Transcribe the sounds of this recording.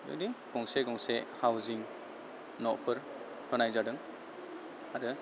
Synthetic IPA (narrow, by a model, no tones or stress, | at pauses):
jɔ̰diɡ̥ɔŋseɡɔŋsehawziŋ | nɔpʰɯɾ | tʰɔnajzadɯŋ | aɾɯ